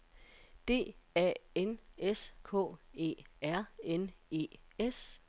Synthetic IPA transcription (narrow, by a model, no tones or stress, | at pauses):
d̥e̝̰ːɛ̰ːeneskʰɔ̰̽ːe̝̰ːæɐ̰ene̝̰ːes